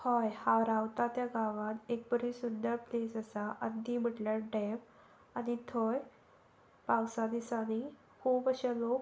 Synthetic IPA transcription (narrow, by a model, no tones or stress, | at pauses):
hɔjhawɾawt̪at̪jaɡaʋãnek̚bəɾisund̪əɾplesəsaʔənːim̤əʈljaʈɛm | anit̪ʰoj | pawsad̪isani | kʰubəɕalok